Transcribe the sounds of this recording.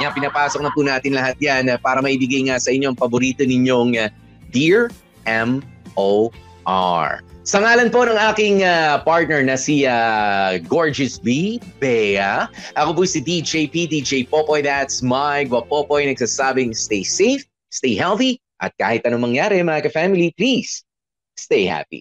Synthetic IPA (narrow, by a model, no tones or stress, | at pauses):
ŋɐpɪnɐpaːsok̚nɐpunaːt̪ɪnlɐhat̪̚janɐpaːɾɐmɐʔibɪɡajŋasɐʔɪɲːoɐŋpɐboɾiːt̪onɪɲo̞ŋa | d̪iɹ | ʔɛmʔo | ʔa̰ɹsɐŋaːlɐnpo̞nɐŋaːkɪŋapaɹt̪̚nɛɹnɐsiaɡoɹd͡ʒɛsbibɛaʔɐkop̬ʊsid̪id͡ʒejpid̪id͡ʒejpopojd̪at̪smajɡwɐpopojnɐɡsɐsaːbɪŋst̪ejsejf | st̪ejɦɛlθi | ʔɐ̰t̪̚ka̰ːhɪt̪̚ʔɐnomɐŋjaːɾɛmɐŋakɐfamɪliplisː | t̪ejha̰pḭ